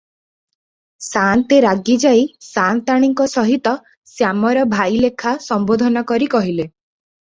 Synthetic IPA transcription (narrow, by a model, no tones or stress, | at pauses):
sant̪eɾaɡid͡ʒajsant̪aɽ̃iŋkɔsɔɦit̪ɔ | sjamɔɾɔbʱajlekʰasɔmbod̪ʱɔnɔkɔɾikɔɦile